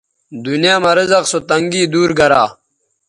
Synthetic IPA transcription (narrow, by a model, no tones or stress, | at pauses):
d̪unjaːmɐɾizɐqsot̪ɐŋɡiːd̪uːɾɡɐɾaː